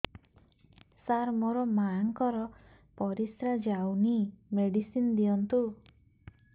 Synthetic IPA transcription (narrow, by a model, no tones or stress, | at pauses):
saɾmoɾɔmaŋkɔɾɔ | pɔɾisɾad͡ʒawnimeɖisind̪iɔnt̪u